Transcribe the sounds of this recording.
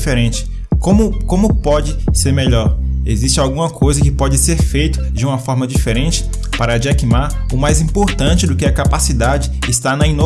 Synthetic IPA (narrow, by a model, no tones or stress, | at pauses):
feɾẽt͡ʃɪ̥ | kõmʊkõmʊpɔd͡ʒɪseɾmeʎɔɾḛzist͡ʃɪawɡũmɐkʰojzɐkɪpɔd͡ʒɪseɾfejt̪ʊ̥d͡ʒɪũmɐfɔɾmɐd͡ʒifeɾẽnt͡ʃɪ̥ | paɾɐːd͡ʒiakimaɾ | ʊmajzĩpoɾt̪ɐ̃t͡ʃɪd̪ʊkɪɐkapasid̪ad͡ʒɪːst̪anɐĩno